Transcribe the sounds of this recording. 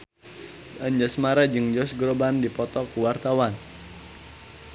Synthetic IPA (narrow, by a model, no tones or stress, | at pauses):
ʔənd͡ʒɔsmaɾad͡ʒɨŋd͡ʒɔsɡɾobandipɔt̪ɔkuwart̪awan